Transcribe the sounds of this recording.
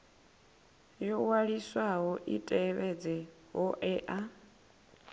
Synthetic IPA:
jɔwaɺiswaɦɔʔitʼɛβɛd͡zɛ | ɦɔʔɛʔa

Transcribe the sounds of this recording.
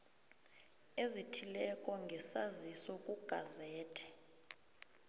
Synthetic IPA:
ezitʰilɛkʼɔŋɡʱɛsazisɔkʼuɡ̥ʱazɛːtʰɛ̥

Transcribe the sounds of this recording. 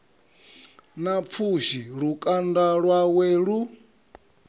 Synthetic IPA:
nap̪fʰuʃiɺukʼandaɺwaweːɺu

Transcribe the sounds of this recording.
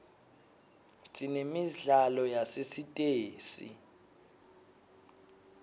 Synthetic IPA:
tʼinemiɮalɔjasesitʼeːsḭ

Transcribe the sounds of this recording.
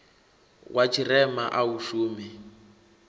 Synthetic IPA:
wʔat͡ʃʰirɛmaʔauʃuːmɛ

